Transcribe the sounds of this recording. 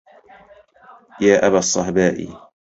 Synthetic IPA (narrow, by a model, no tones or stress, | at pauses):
jaːʔabasˤːɑħbaːʔḭ